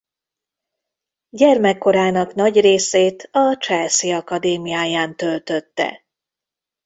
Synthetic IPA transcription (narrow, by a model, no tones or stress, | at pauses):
ɟɛrmɛkːo̞ɾaːnɒknɒɟreːseːt̪ɒt͡ʃɛlsiɒkɒd̪eːmijaːjaːnt̪ølt̪øt̪ːɛ̰